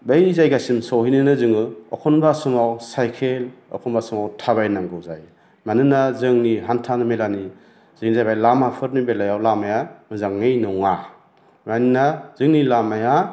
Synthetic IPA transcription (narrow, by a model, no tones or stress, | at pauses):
bejzajɡajsimsɔwɦinɯnɯzɯŋɯɔ̰kʰɔnbasumawsajkʰelɔ̰kʰɔnbasumawtʰaβajnaŋɡɯwzaj | manɯnazɯŋniɦantʰanɯmelani | z̥ɯŋzajbajlamapʰɯɾnibelajawlamajamɯzaŋːɯjnɔŋa | maninaz̥ɯŋnilamaja